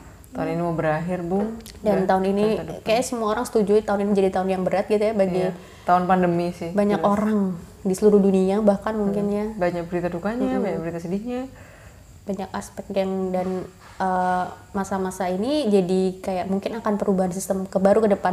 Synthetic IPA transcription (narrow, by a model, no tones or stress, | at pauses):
t̪aʊninimobəɾaɦɪrbʊŋ | dant̪aʊninikajasəmuaoɾaŋsə̥t̪ud͡ʒut̪aʊninimd͡ʒadit̪aʊnjaŋbəɾat̪̚ɡit̪ujabaɡi | t̪aʊnpandəmisɪhbaɲakoɾaŋ | disəluɾuhduniabahkanmuŋkɪnjabaɲak̚bəɾit̪adukaɲabaɲakbəɾit̪asədɪhɲa | b̥aɲakaspɛk̚t̪jaŋdan | ə | masamasainid͡ʒadikajaʔmuŋkɪnakanpəɾubaɦansist̪əmkəbaɾukədəpan